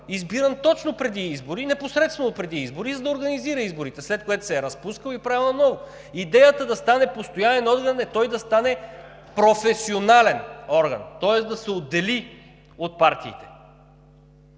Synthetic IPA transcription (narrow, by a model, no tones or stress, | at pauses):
izbiɾənt̪ɔt͡ʃnopɾɛd̪iizboɾinɛposɾɛt̪st̪vɛnopɾɛd̪iizboɾizɐd̪ɐoːɾɡɐniziɾɐizboɾit̪ɛslɛt̪̚kojɛt̪ʊ̥sɛːɾɐspuskəlˠipɾavɛlˠnɐnɔvo | id̪ɛjət̪əd̪ɐst̪anɛpost̪ojanɛnɔd̪ɡɐnɛt̪ɔjd̪ɐst̪anɛ | pɾofɛsionalɛnɔɾɡɐ̰nt̪ɔɛsd̪ɐsɛod̪ːɛli | ot̪̚paɾt̪ḭːt̪ɛ̥